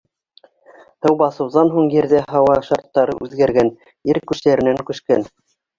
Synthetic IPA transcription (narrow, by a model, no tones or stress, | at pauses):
h̪ɤwbɑsɤ̆wðɑnɦuɴjɘ̆ɾðæɦɑwɑʃɑɾt̪ːɑɾɤ̰ʔʉðɡæɾɡæn | iɾkʉʃt̪æɾɘ̆næŋkʉ̆ʃkæn